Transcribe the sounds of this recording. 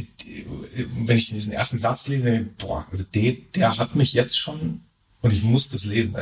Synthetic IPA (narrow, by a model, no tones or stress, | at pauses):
vɛnɪçd̥iːzn̩ʔḛːɐstn̩zat͡sleːzəb̥o̰ːɐʔa̰lzod̥eːd̥eːɐɦatmɪçjɛt͡stʃoːn | ʊntɪçmʊsd̥asleːzn̩ʔa